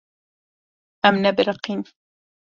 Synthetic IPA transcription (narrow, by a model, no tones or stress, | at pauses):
ʔamnabɪɾɑqiːn